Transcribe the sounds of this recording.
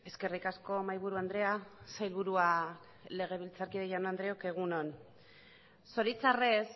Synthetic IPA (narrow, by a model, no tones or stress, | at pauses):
e̞ske̞rikasko̞majβ̞uɾuand̪ɾe̞asajlβuɾua | le̞ɣ̞e̞β̞ilt͡saɾkiðeʝanoand̪ɾe̞oke̞ɣ̞uno̞n | so̞ɾit͡sares